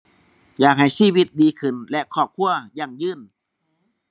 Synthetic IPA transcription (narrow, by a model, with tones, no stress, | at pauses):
jaː˨˩k̚ha˨˩jsiː˥˩wi˧˦˥t̪̚diː˧kʰɯ˧˩nlɛ˦ʔkʰɔː˨˩p̚kʰu˧˩˨ɐjaː˨˩ŋjɯː˧˥˩n